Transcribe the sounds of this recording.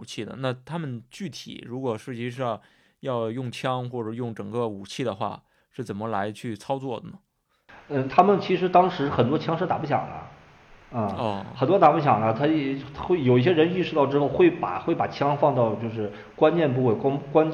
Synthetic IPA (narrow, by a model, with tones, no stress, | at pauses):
u˨˩t͡ɕʰi˥˩d̪ə̰˩na˥˧t̪ʰa˥mə˨nt͡ɕy˥˩t̪ʰḭ˨˩˦ɻu˧˥kwɔ˨˩ʂɻ̩˥˩t͡ɕi˥˧ʂ̬ɑ˥˧ŋ | jɑ˥˧ʊjʊ˥˩ŋt͡ɕʰjɑ˥ŋxwɔ˥˩ʈ͡ʂɤə˧˩jʊ˥˩ŋʈ͡ʂɤ˨˩ŋkə˥˧u˨˩t͡ɕʰi˥˩d̪ə˩xwa̰˥˩ | ʂɻ̩˥˩t͡sə˨˩mə˦la˧˥ɪt͡ɕʰy˥˩t͡sʰɑ˥ʊt͡swɔ˥˩d̪ə˩nə˩ | ə˥˧˩t̪ʰa˥mə˨nt͡ɕʰi˧˥ʂɻ̩˧˥t̪ɑ˥ŋʂɻ̩˧˥xə˨˩nt̪wɔ˥t͡ɕʰjɑ˥ŋʂɤ˥˩t̪a˨˩pu˥˩ɕ̬jɑ̰˨˩ŋlə̰˦˥˩ | ɔ˥˩xə˨˩nt̪wɔ˥t̪a˨˩pu˥˩ɕ̬jɑ˨˩ŋlə˦t̪ʰa˥jɛ˧˨˩xwe˥˩ɪjo˨˩ʊi˥˩ɕ̬jɛ˥ɻə˧˥ni˥˩ʂɻ̩u˥˧t̪ɑ˥˩ʊʈ͡ʂɻ̩˥xo˥˧ʊxwe˥˩ɪpa̰˨˩xwe˥˩ɪpa˨˩t͡ɕʰjɑ˥ŋfɑ˥˧ŋt̪ɑ˥˧ʊt͡ɕjo˥˧ʊʂ̬ɻ̩˥˩ | kwa˥nt͡ɕjɛ˥˧np̬u˥˧we˥˩ɪka˥ŋkwa˥n